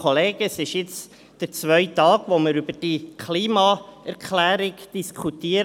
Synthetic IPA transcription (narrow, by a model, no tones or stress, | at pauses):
ɔleːɡ̥əsɪʃjɪt͡s | d̥əɾt͡sʋœʏt̪ɑːɡ̥ʋomɪɾybəd̥ikʰliːmɑɛɾkʰlæːɾɪɡd̥iskʰut̪iːəɾ